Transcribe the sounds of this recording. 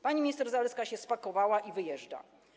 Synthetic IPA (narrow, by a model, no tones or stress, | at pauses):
paɲimʲɲist̪ɛɾzalɛskaɕɛspakɔvawaʔivɘjɛʐda̰